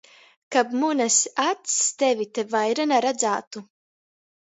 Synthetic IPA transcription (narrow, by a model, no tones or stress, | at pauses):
kabmunasat̪st̪evʲit̪evajɾanaɾad̪zaːt̪u